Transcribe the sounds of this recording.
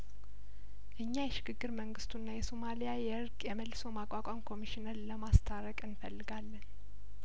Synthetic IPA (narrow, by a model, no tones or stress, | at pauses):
ʔɨɲːajɛʃɪɡɨɡːɨɾməŋɡɨst̪ʰunːajɛsomalijajɛɨɾkʼjɛməlːɨsomakʷʼakʼamkʰo̞miʃinəɾləmast̪ʰaɾəkʼɨnfəlːɨɡalːən